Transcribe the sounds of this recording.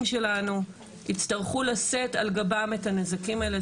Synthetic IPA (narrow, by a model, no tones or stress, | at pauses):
mʃe̞lanu | it͡stɐʁχulasetalɡabametanezakimaele